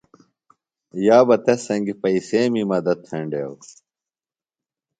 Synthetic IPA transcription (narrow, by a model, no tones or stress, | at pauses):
jaːbɐt̪esɐŋɡipɐiseːmimɐd̪ɐt̪̚ʰɐɳɖew